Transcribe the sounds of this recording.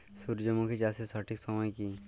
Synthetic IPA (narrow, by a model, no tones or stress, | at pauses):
suɾd͡ʒomõkʰid͡ʒasesɔʈʰiksɔmɔjkin